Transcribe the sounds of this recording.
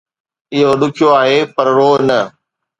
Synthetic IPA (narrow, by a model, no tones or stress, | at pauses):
ɪɦoɗʊkʰijoaːɦeːpɐɾɾoːnɐ